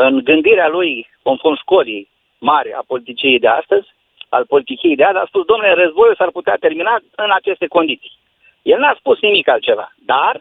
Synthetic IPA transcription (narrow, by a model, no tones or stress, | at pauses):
ɨnɡɨnd̪iɾealujko̞nformʃko̞li | marʲa̰po̞lit̪it͡ʃiiejd̪e̞a̰st̪əzʲ | a̰lpo̞lit̪it͡ʃiejd̪ead̪a̰spusd̪oomnelerəzbo̞jusarput̪eat̪e̞rminaɨnat͡ʃe̞st̪e̞ko̞nd̪it̪si̥j | jelnaspusnimikalt̪̚t͡ʃe̞va̰d̪ar